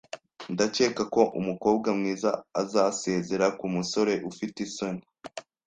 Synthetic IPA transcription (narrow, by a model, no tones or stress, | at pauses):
ndace̞ːkako̞ʔumuko̞ːb̚ɡamŋiːzaːzase̞ːze̞ɾakumuso̞ɾe̞ʔufitesoni